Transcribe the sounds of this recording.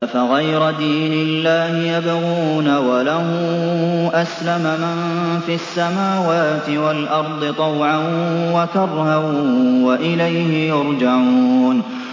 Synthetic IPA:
faɣajɾad̪iːnɪlːaːhɪjabɪɣuːnawalahʊmʔaslamamanfiasːamaːwaːt̪ɪwalʔɑɾˤd̪ˤɨt̪ˤɑwʕanwakɑrˤhawaʔɪlajhɪjʊɾˤd͡ʒaʕuːn

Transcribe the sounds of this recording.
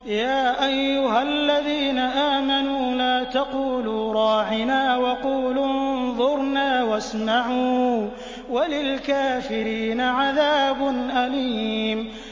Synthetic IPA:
jaːʔajːʊɦalːaðiːnaʔaːmanuːlaːt̪aquːluːɾˤɑːʕɪnaːwɑquːlunnðˤʊɾnaːwasmaʕuː | walɪlkaːfɪɾiːnaʕaðaːbʊnʔaliːm

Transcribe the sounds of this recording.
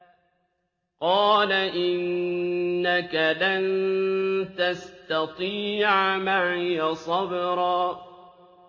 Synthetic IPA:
qɑːlaʔɪnː | akalan | t̪ast̪ɑt̪ˤiːʕamaɪjasˤɑbɾˤɑː

